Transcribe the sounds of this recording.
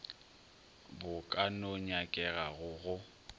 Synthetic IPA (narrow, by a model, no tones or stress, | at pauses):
bʊkʼanoɲakʼɛɣaɣʊɣʊ